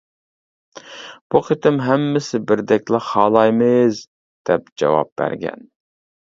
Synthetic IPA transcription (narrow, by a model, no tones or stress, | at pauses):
b̥uqʰət̪ɪmɦɛmːɪsɪbɪɾd̪ɛkʲlɪɑːlˠɑjmɨz | d̪̥ɛp̚d͡ʒɑ̰wɑ̰p̚bæ̰ɾɡʲɛ̰n